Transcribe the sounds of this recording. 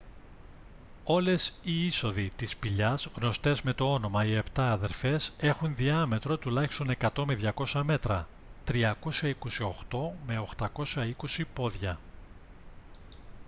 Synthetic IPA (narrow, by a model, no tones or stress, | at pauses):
o̞lesiiso̞ðit̪ispiʎɐzɣno̞st̪e̞zme̞t̪o̞o̞no̞mɐie̞pt̪ɐːðe̞ɾfe̞se̞xunðiɐme̞t̪ɾo̞t̪ulɐçi̥st̪o̞ne̞kɐt̪o̞me̞ðʝɐko̞sɐme̞t̪ɾɐ | t̪ɾiɐko̞sɐiko̞sio̞xt̪o̞me̞o̞xt̪ɐko̞sɐiko̞sipo̞ðʝɐ